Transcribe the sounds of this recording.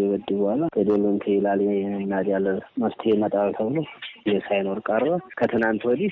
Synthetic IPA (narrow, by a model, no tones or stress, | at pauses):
jɛbəd̪ːɨbəhʷalakʼəd̪olːumt̪ʰɨjɛlaljnmnad̪jalːəməst̪ʰhemət̪ʼaβt̪ʰəβɨlojesajno̞ɾkʼaɾβakʰət̪ʰɨnant̪wɔd̪i